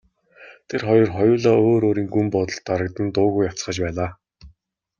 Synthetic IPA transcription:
t̪ʰerχɔjɞ̆rχɔjʊːɮaːoːɾoːɾiːŋɡumpɔt̪ɞ̆ɮt̪ːaɾə̆kt̪ə̆nt̪ʊːɣujḁt͡sχə̆t͡ɕpæːɮaː

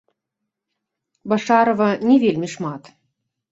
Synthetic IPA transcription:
bɐʂɑɾovɐnʲɛvʲelʲmʲiʂmɑt̪

